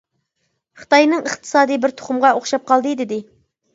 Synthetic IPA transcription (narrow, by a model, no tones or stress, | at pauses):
χɨ̥t̪ɑjnɨŋəχt̪ʰɨ̥sɑːd̪ɨjbɪɾt̪ʰo̥χʊmʁɑoχʃɑp̚qʰɑlˠd̪ɨd̪ɪd̪ɪ